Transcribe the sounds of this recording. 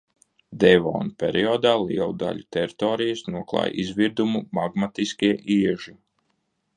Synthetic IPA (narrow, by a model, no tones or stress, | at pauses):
d̪ɛvɔ̰ːnupʲɛɾiɔːd̪aːlˠḭɛlˠd̪a̰ʎʲut̪ɛɾit̪ɔːɾijəsnuɔklˠɑ̰ːj̰ʔizviɾd̪umumaɡmat̪iskʲiɛʔiɛʒi